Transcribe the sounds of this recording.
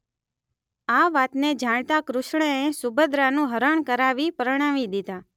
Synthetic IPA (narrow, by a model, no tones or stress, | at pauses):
aʋat̪ned͡ʒaɽ̃t̪akɾʊʃɳ̃əesʊbəd̪ɾanũɦəɾəɳ̃kəɾaʋipəɾəɽ̃aʋid̪id̪a